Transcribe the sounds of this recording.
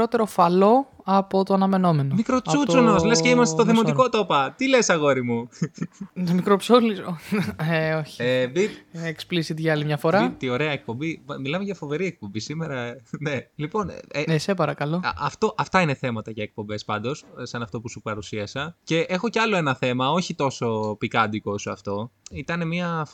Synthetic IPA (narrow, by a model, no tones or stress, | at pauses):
ɾot̪e̞ɾo̞fɐlo̞ | ɐpo̞t̪oɐnɐme̞no̞me̞nomikɾot͡sut͡sonosle̞sceimɐst̪et̪oθemot̪iko̞t̪o̞pɐt̪ile̞sɐɣo̞ɾimu | mikɾopsolizoeoçi̥biteksplisit̪ʝɐɐlimɲɐfo̞ɾɐt̪io̞ɾeɐek̚po̞mbimilɐmeʝɐfo̞ve̞ɾiek̚po̞mbisime̞ɾɐnelipo̞neesepɐɾɐkɐloɐft̪o̞ʔɐft̪ɐine̞θe̞mɐt̪ɐʝɐek̚po̞mbe̞spɐnd̪o̞ssɐnɐft̪o̞pusupɐɾusiɐsɐce̞ʔexo̞ceɐlo̞e̞nɐθe̞mɐo̞çit̪o̞so̞pikɐnd̪iko̞suɐft̪o̞it̪ɐne̞miɐf